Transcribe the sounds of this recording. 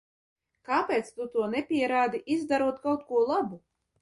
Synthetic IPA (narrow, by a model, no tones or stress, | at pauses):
kaːpʲɛːt̪st̪ut̪uɔnɛpʲiɛɾaːd̪iʔizd̪aɾuɔt̪kawt̪̚kuɔlˠabu